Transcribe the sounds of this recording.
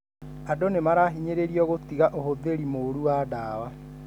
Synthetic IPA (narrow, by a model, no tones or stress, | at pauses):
adonemaɾaɦiɲeɾeɾiɔɣotiɣaʔohoðeɾimoɾuwaːdaːwa